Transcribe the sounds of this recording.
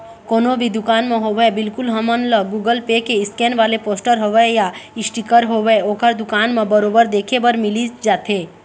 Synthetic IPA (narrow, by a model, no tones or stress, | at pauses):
koːnobʱid̪ʊkaːnmẽɦoʋebɪlkʊlɦəmənləɡuːɡəlpekeɪskeːnʋaːlepoːsʈəɾɦoːʋəjaɪsʈikəɾɦoːʋeoːkəɾd̪ʊkaːnmẽbəɾoːbəɾd̪eːkʰebəɾmɪlid͡ʒaːt̪ɦeː